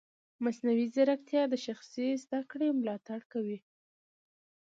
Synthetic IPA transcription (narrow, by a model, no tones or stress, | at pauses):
masnawizaɾakt̪jɑd̪əʃaxsezd̪akɽemlɑt̪aɽkawi